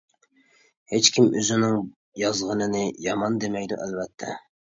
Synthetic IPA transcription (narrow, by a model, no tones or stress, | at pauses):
het͡ʃkʲʰimøzɪnɪŋ | jɑzʁənɨnɨjɑmɑnd̪emɛjd̪ṵʔɛlvɛt̪ʰːɛ̰